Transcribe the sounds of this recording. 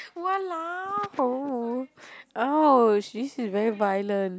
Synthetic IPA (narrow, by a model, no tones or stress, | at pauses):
walaho | oʃisizvɛɹivajlə̃nt